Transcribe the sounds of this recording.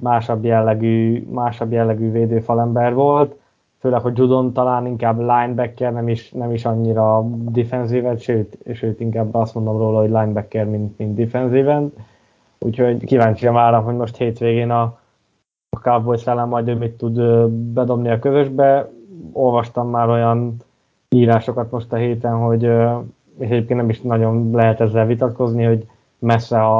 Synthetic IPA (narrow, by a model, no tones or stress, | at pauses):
maːʃɒbjɛlːɛɡyːmaːʃɒbjɛlːɛɡyːveːd̪øːfɒlɛmbɛrvo̞lt̪ | føːlɛkho̞ɟd͡ʒud̪o̞nt̪ɒlaːniŋkaːblaːjnbɛkːɛrnɛmiʃnɛmiʃɒɲːiɾɒd̪ifɛnziːvɛnt̪ʃøːt̪ːʃøːt̪iŋkaːbːɒst̪mo̞nd̪o̞mroːlɒɦoɟʲlajnbɛkːɛrmint̪mint̪ːifɛnziːvɛnt̪ | ṵːcʰho̞ɟkivaːɲt͡ʃijɒnvaːɾɒmɦo̞ɟmo̞ʃt̪heːt̪ʋeːɡeːnɒ | kavbojsɛlːɛmːɒjd̪øːmit̪ːud̪øbɛd̪o̞bniɒkøzøʒbɛo̞lvɒʃt̪ɒmːaːɾo̞jɒn | iːɾaːʃo̞kɒt̪mo̞ʃt̪ɒɦeːt̪ɛnɦo̞ɟø | eːʃɛɟeːp̚kent̪nɛmiʃnɒɟo̞nlɛɦɛt̪ɛzːɛlvit̪ɒt̪ko̞zniho̞ɟ | mɛsːɛɒ